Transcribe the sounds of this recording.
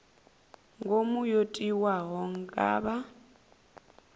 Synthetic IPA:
ŋɡʱomujotʼiwaɦɔŋ̩ɡa̰ːba

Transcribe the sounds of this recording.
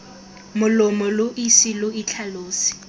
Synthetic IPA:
mʊlɔmɔlʊʔisilʊit͡ɬʰaloːsi̥

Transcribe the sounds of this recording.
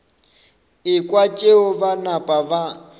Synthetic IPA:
ɪkʼwat͡ʃʼeʊβanapʼaβa

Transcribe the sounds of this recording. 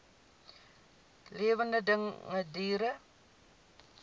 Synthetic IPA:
liəvəndədəŋːədiːɾə

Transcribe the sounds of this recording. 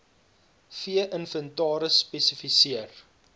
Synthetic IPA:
fiəʔənfəntɑːɾəspɛsəfisiər

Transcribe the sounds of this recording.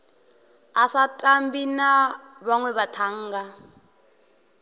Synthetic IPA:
asatʼambinaβaŋwɛβatʰaŋ̩ːɡa

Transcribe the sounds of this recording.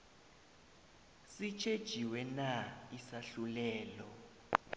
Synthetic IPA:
sit͡ʃʰed̥ʒ̥ʱiwɛnaisaɬulɛːlɔ

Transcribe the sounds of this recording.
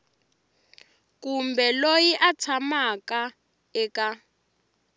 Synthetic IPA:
kumbɛlojiʔat͡sʰamaka | ɛka

